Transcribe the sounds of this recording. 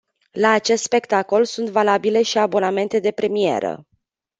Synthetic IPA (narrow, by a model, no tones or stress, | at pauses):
laːt͡ʃe̞st̪spe̞kt̪ako̞lsunt̪valabile̞ʃiabo̞name̞nt̪e̞d̪e̞pɾe̞mije̞̰ɾə̰